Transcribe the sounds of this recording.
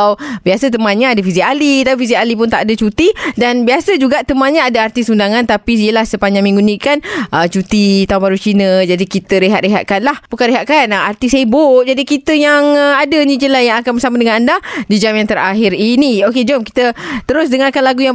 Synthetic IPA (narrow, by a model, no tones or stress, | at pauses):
wbiasət̪̬əmãnɲaadafizialit̪apifizialip̬ʊnt̪aʔdat͡ʃut̪idanbiasəd͡ʒuɡaʔt̪əmãɲaadaart̪isundaŋãnt̪apiijəlahsəpaɲamĩŋɡuniʔkanət͡ʃut̪it̪aunbaɾut͡ʃinə̃d͡ʒadikit̪əɾeɦa̰t̪rʔeɦa̰ʔ̪̚kanlahbukaɾeɦaʔ̪̚kanəart̪iseboʔ̚d͡ʒadikit̪əjaŋadənĩd͡ʒəlajaŋakanbəsamadəŋanandadid͡ʒamjaŋt̪əɾaɦɪɾinioked͡ʒɔmki̥t̪ət̪əɾʊs̬dəŋarkanlaɡuja